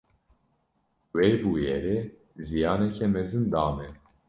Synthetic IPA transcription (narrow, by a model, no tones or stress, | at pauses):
wejbuːjɛɾe | zijɑːnɛkʰɛmɛzɨnd̪ɑːmɛ